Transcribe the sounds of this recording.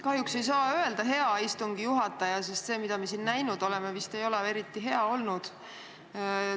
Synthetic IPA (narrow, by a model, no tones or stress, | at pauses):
kɑhjukse̞js̬ɑːøe̞ld̪̥ɑɦe̞ɑist̪uŋɡ̥ijuɦɑt̪ːˑɑjɑsest̪se̞ːmid̪̥ɑmiesiːnnæjnud̪̥o̞le̞mevist̪e̞jo̞lee̞ɾit̪ːˑiɦe̞ɑo̞lnud̪̥